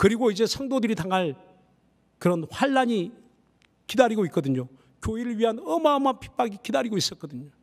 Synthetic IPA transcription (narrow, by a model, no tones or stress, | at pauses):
kɯɾiɡoid͡ʑe̞sʰaŋdodɯɾitaŋaɭ | kɯɾʌnɸwaɭːaɲi | kidaɾiɡoik͈ʌdɯɲo | kjoiɾɯɭɥiɦanʌmamapʰi̥p͈aɡikidaɾiɡois͈ʌk͈ʌdɯɲo